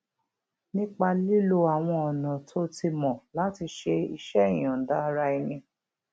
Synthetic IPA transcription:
nĩ˦k͡pa˧li˦lo˧a˨w̃ɔ̃˧ɔ˨nã˨tʰo˦ti˧mɔ̃˨la˦ti˧ʃe˧i˧ʃɛ˦i˨j̃ã˨n̩˨da˦˧ɾa˧i˧nĩ˧

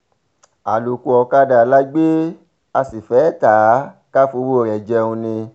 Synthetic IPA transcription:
a˨lo˨ku˨ɔ˧ka˧da˨la˦ɡ͡be˦ | a˧si˨fɛ˨˦ta˨˦ka˦fu˧˦wo˦˨ɾɛ˨d͡ʒɛ˧ũ˧nĩ˧

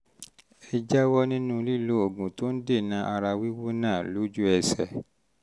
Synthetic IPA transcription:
e˧d͡ʒa˦wɔ˦nĩ˦nũ˦li˦˨lo˨˦o˨ɡũ˨to˦n̩˦de˦˨nã˨˦ʔa˧ɾa˧wi˦wo˦nãː˦˨lo˨˦d͡ʒu˦ɛ˧sɛ̰˨

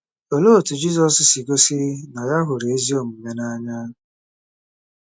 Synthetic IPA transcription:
o˨lo˦˨tu˨d͡ʒi˦zɔ˨ssi˨ɡo˦si˦na˨ja˦ɦʊ˨ɾi˨e˦zi˦o˦˨m̩˨me˦na˦ɲa˦˨

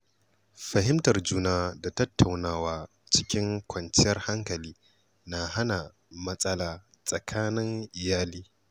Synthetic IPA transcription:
ɸɐ˨ɦɪ˦mtɐ˨rd͡ʒuː˦naː˦da˨tɐ˦tʰːa˨wnaː˦waː˦ | t͡ʃɪ̥˦kʲɪ˦ŋkʷʰɐ˨nt͡ʃɪ˦jɐ˦rha˦ŋkɐ˨liː˦ | na˨ɦa˦na˨ | mɐ˦sʼɐ˦laː˨ | sʼɐ˨kʰaː˦nɪ˦ŋʔɪ˨jaː˦liː˦

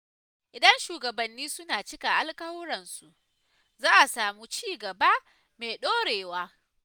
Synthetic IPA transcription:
ʔɪ˨dɐ˦nʃuː˨ɡɐ˨bɐ˨nːiː˦sʊ˦naː˨t͡ʃɪ˦ka˨ʔa˦lkʼɐ˦wʊ˦ɽɐ˨nsu˨ʔ | zaː˦ʔa˨saː˨mu˦t͡ʃiː˦ɡɐ˨ba˦ | meː˨ɗoː˦ɽeː˨waː˦

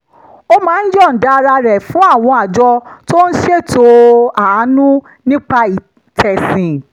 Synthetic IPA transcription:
o˦mãː˨˦n̩˦d͡ʒɔ˦˨n̩˨da˨˦˧ɾa˧ɾɛ˨fũ˨˦a˦˨w̃ɔ̃˧a˨d͡ʒɔ˧to˦n̩˦ʃe˦˨to˧a˨˦nũ˦ | nĩ˦k͡pa˧i˨ | tʰɛ˨sĩ˨

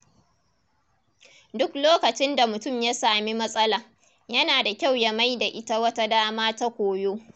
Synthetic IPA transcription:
dʊ˦kloː˦kɐ˨t͡ʃɪ˦nda˨mʊ˨tʊ˦˨mja˦saː˨mi˦mɐ˦sʼɐ˦laː˨ | jɐ˦naː˨da˨kʲa˦˨wjɐ˨ma˦jda˨ʔɪ˦ta˦wɐ˦ta˦daː˦maː˦ta˦kʷoː˨joː˦

